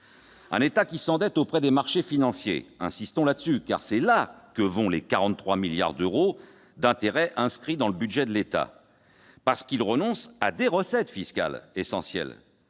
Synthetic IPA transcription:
ɛ̰̃net̪akʲisɑ̃d̪ɛt̪opχɛd̪emaʁʃefinɑ̃sjḛɛ̰̃sist̪ɔ̃lad̪əsyka̰ʁsɛlakəvɔ̃lekaʁɑ̃t̪t̪ːχwamilja̰ʁd̪øʁo | d̪ɛ̃t̪eʁɛʔɛ̃skχid̪ɑ̃ləbyd̪ʒɛd̪əlet̪a̰ | paʁsə̥kilʁənɔ̃sa̰d̪eʁəsɛt̪fiska̰lesɑ̰̃sjɛ̰l

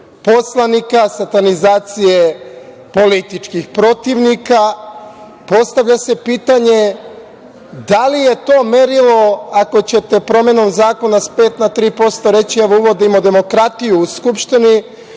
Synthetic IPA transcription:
poslˠanikasat̪anizaːt̪sije | po̞lit̪it͡ʃkixpɾo̞t̪iʋnika | po̞st̪aʋʎase̞piːt̪aɲe̞ | d̪alije̞t̪o̞ːme̞ɾilo̞ako̞t͡ɕe̞t̪e̞pɾo̞me̞no̞mzaːko̞naspe̞ːt̪nat̪ɾiːpo̞st̪o̞ɾe̞t͡ɕieʋouʋo̞d̪imod̪e̞mo̞kɾat̪ijuːskupʃt̪ini

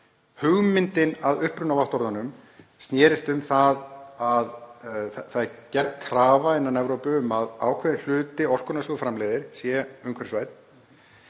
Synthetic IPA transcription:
hʏɣmɪnt̪ɪnaðʏhpɾʏnavaht̪ɔɾðanʏm | st̪njɛːɾɪst̪ʏmθaðað | θaðcɛr̥t̪kʰɾaːvaɪnanɛvɾowpʏʏmaða̰ːwkʰvɛðɪnl̥ʏːt̪ɪɔr̥kʏnasjɔðfɾamlɛːjðɪɾ̥sjɛʏŋkʰvɛɾ̥svaːjt̪n̥

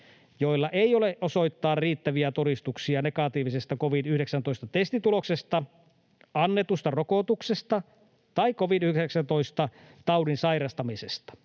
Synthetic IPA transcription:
joilːɑʔeioleʔʔoso̞it̪ːɑːrriːt̪ːæʋiæt̪oɾist̪uksiɑnekɑt̪iːʋisest̪ɑkoʋinyhɾeksænt̪oist̪ɑt̪est̪it̪uloksest̪ɑ | ɑnːet̪ust̪ɑrokot̪uksest̪ɑ | t̪ɑikkoʋinyheeksænt̪oist̪ɑ | t̪ɑuwdinsɑiɾɑst̪ɑmisest̪ɑ̥

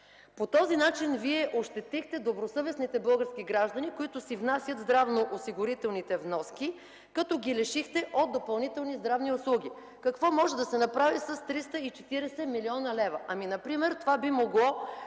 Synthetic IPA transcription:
pot̪ɔzinat͡ʃinviɛʔoʃt̪ɛt̪ixt̪ɛd̪obɾosɤvɛsnit̪ɛbɤlˠɡəɾsk̟iɡɾaʒd̪ɐnikoit̪ʊsivnasʲjət̪zd̪ɾavnoʔosiɡʊɾit̪ɛlˠnit̪ɛvnɔski | kɐt̪ɔɡʲilɛʃixt̪ɛʔod̪̚d̪opɐlˠnit̪ɛlˠnizd̪ɾavniʊslˠuɡʲi | kɐkvɔmɔʒɛd̪ɐsɛnɐpɾavisɐst̪ɾist̪əit͡ʃɛt̪iɾɛsɛmiliɔnɐlɛvɐʔɐminɐpɾimɛɾt̪ovabimoɡlˠɔ

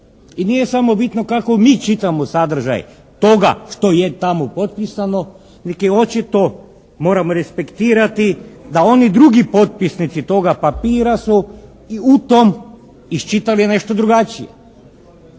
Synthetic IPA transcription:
inijesamo̞bit̪no̞kako̞miːt͡ʃit̪amosad̪r̩ʒa̰j | t̪oɡa̰ʃt̪o̞jet̪amopo̞t̪̚pisano̞ | nekeo̞t͡ʃit̪o̞ | mo̞ːɾamoɾespe̞kt̪iːɾat̪id̪ao̞nid̪ɾuɡipo̞t̪̚pisnit̪sit̪o̞ɡapapiːɾasu | iut̪om | ist͡ʃit̪aliene̞ʃt̪o̞d̪ɾuɡat͡ʃijḛ

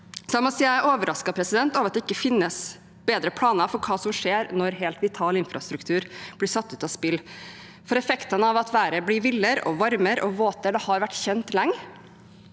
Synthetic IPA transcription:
sɑmɑsiːææɾʔoːʋəɾɑskɑpʰɾɛsɪd̪ɛnt̪ɑʋɑt̪̚d̪ɛɪkːəfɪnːəs | b̥eːd̪ɾəpʰlɑːnəfɔɾkʰɑːsɔmʂeːɾnɔɾɦeːlt̪ʋɪt̪ʰɑːlɪnfɾɑst̪ɾʉkt̪ʰʉːɾb̥lɪsɑt̪ːʉːt̪ɑspɪlː | fɔɾɛfɛkt̪ɑnəɑʋɑt̪ʋæːɾəblɪʋɪlːəɾɔ̰ʋɑɾməɾɔʋoːt̪əɖ̪ɛhɑɾʋæʈːçɛnt̪lɛŋː

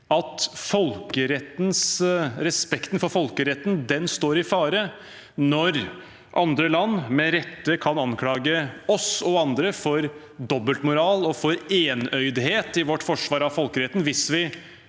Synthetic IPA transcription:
ɑt̪fɔlkəɾɛt̪ːnsɾɛspɛkt̪nfɔɾfɔlkəɾɛt̪ːn̩d̪ɛnst̪oːɾɪfɑːɾə | nɔɾ | ʔɑnd̪ɾəlɑnːmɛɾɛt̪ːəkʰɑnɑnkʰlɑːɡəɔsɔɑnd̪ɾəfɔɾ | d̪ɔbːəlt̪mʊɾɑːlɔfɔɾeːnœʏd̪heːt̪ɪʋɔʈːfɔʂʋɑːɾɑʋfɔlkəɾɛt̪ːnʋɪsʋɪ

